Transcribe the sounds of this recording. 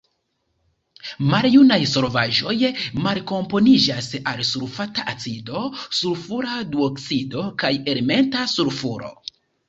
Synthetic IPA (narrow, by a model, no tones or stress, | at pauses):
maljunajso̞lvaʒo̞jmalko̞mpo̞nid͡ʒasalsuɾfataʔat͡sido̞suɾfuɾadioksido̞kaje̞ɾme̞ntasuɾfuɾo̞̰